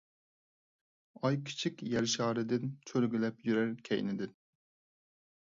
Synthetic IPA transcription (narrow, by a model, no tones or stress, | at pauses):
ɑjkʲʰi̥t͡ʃʰikʲjɛɾʃɑːɾɨd̪ɪnt͡ʃʰøɾɡʲylɛpjyɾæɾkʲʰɛ̰jnɪd̪ɪn